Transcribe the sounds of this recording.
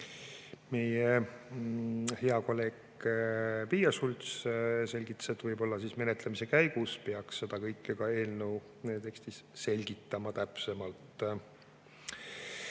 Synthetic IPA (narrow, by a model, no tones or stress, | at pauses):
me̞je | heɑko̞lːe̞ːɡ | pijɑsulʲt̪sse̞lʲɡit̪ːˑɑ̥set̪ːvɤjbo̞lːɑsiːsme̞ne̞t̪lemise̞kæjɡ̥uspeɑksːe̞d̪̥ɑkɤjkːekɑe̞ːlnew | net̪e̞kst̪isse̞lʲɡ̥it̪ːˑɑmɑt̪æpse̞mɑlt̪ːˑ